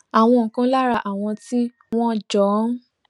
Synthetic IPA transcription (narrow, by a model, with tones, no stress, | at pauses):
a˨w̃ɔ̃˧ŋ̩˨kã˨˦la˦ɾa˧ʔa˨w̃ɔ̃˧ti˦ | w̃ɔ̃˦˨d͡ʒɔ˨˦